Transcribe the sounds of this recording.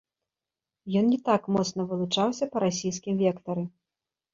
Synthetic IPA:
jɔnnʲɛt̪akmɔt̪snɐvɨlˠut͡ʂawsʲɐpɐɾasʲijskʲimvʲɛkt̪ɐɾɨ

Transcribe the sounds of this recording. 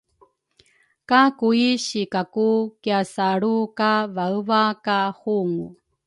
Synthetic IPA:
kakuiɕikakukiasaɭukavaəvakahuŋṵ

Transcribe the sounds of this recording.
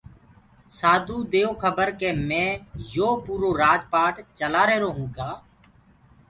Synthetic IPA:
saːd̪ʱũːd̪eːoːkʰəbəɾkeːmɛ̃ːjoːpuːɾoːɾaːd͡ʒpaːʈt͡ʃəlaːɾəeɦɾoːɦũːkaː

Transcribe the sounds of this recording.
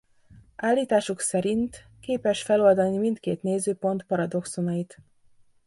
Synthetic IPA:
ʔaːlːiːt̪aːʃuksɛɾint̪ | keːpɛʃfɛlo̞ld̪ɒnimint̪kḛːt̪neːzøːpo̞nt̪pɒɾɒd̪o̞ksonɒjit̪

